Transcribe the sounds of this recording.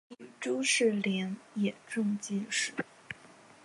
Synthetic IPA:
i˧˩ʈ͡ʂu˥ʂɻ̩˥˩ljɛ˧˥njɛ˨˩ʈ͡ʂʊ˥˧ŋt͡ɕi˥˧nʂɻ̩˥˩

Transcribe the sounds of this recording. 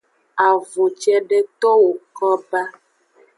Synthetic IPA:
a˨vo˨t͡ʃɛ˦ɖe˦t̪ɔ˦wo˨kɔ˦ba˦

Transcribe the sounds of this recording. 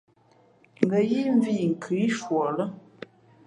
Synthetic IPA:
ŋ̩˨ɡə˨ji˦ɱ˦vi˦˨ŋ̩˨kʰɨ˨˦i˦ʃwɔ˨lə˦

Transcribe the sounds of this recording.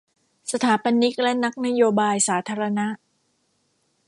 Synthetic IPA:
sa˧t̪ʰaː˩˦pa˧nːi˦˥k̚lɛ˦˥na˦˥k̚na˦˥joː˧baː˧jsaː˩˦t̪ʰaː˧ɾa˧na˦˥ʔ

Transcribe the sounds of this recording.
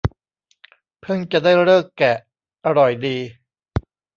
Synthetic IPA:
pʰɯ˥˩˨ŋt͡ɕa˨˩daː˥˩jɾɤː˥˩kːɛ˨˩ | ʔa˧ɾɔ˨˩jdiː˧

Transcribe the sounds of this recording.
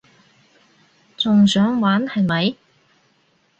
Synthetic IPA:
t͡sʊ˨ŋsœː˨˥ŋwaː˨˥nhɐ˨jmɐ˨˧j

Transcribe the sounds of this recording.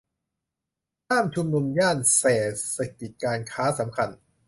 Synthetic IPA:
t̪ʰaː˥˩mt͡ɕʰu˧mnu˧mjaː˥˩nseː˨˩t̪̚sa˧˩ki˨˩t̪̚kaː˧nkʰaː˦˥sa˩˦mkʰa˧n

